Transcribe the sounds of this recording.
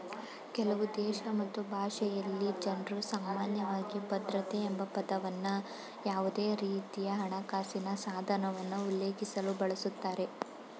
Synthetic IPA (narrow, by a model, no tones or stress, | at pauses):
kɛlɐʋud̪ɛːʃɐmɐt̪ːubʱaːʂɛjɐlːid͡ʒɐnɾusaːmaːnjɐʋaːɡibɐd̪ɾɐt̪eːmbɐpɐd̪ɐʋɐnːu | jaːʋud̪eːɾiːt̪ijɐɦɐɳɐkaːsinɐsaːd̪ʱɐnɐʋɐnːuulːeːkisɐlubɐɭɐsut̪ːaːɾe̞